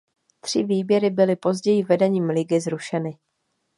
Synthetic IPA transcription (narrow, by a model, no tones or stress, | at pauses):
t̪r̥ɪviːbjɛɾɪbɪlɪpo̞zɟɛjɪvɛdɛɲiːmlɪɡɪzɾuʃɛnɪ